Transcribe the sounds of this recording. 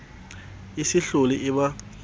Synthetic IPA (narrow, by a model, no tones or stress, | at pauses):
isiɬuliʔiɓa